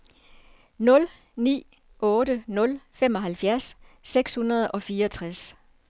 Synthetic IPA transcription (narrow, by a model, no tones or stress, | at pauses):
nɔ̽l | nḭː | ʔɔ̽ːɾənɔ̽lfem̰ɒ̽ɦælfjæɐsːeɡ̥shunɐð̞ˠʔɒ̽fiːɐɒt͡sʰʁas